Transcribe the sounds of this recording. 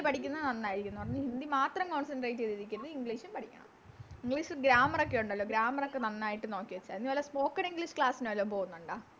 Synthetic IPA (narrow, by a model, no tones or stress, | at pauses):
pɐʈʰikʲːunːɐɨnɐnːaːjiɾikʲːunːupɐɽɐɲːɨhind̪imaːt̪rɐmko̞ːnsɐnɖreːʈːeðiðikʲːunːɐðɨiŋɡɭiːʂumpɐʈʰikʲːa̰ː | iŋɡɭiːʂɨɡɾaːmɐrokːe̞juɳɖɐlːo̞ːɡɾaːmɐrokːe̞nɐnːaːjiʈːɨno̞ːkːiʋɐt͡ɕːa̰ːinːiʋɐlɐspo̞ːkːɐɳiŋɡɭiʂɨ̥kɭaːsinɨʋɐlːoːpo̞ːunːuɳɖaː